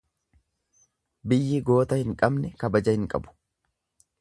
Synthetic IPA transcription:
bɪjːɪɡo̞ːt̪ɐhɪŋkʼɐbnɛkɐbɐd͡ʒɐhɪŋkʼɐ̰bʊ̥

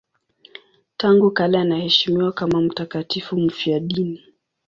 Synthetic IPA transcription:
taŋɡukalaːnahɛʃimiwakamam̩takatifum̩fiaɗini

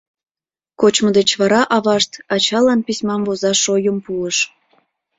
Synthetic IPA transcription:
kot͡ɕmə̆d̪et͡ɕβɑɾɑʔɑβɑʃt̪ɑt͡ɕɑlɑnpisʲmɑmvozɑʃojəmpuəʃ

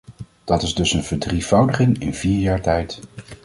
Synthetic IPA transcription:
d̥ɑtɪzdɵsənvəɹdrivʌwdəχɪŋɪ̰nv̥iːɹjaːɹtɛjt

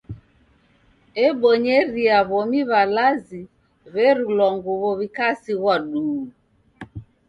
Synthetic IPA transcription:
ɛɓɔɲɛɾiaβɔmiβalazi | βɛɾulɔŋɡuβɔβikasiɣwaɗuː

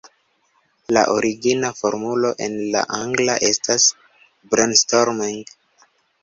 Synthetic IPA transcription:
la̰ʔo̞ɾiɡinafoɾmulo̞ʔe̞nla̰ʔaŋɡla̰ʔe̞stas | bɾenstoɾmiŋɡ

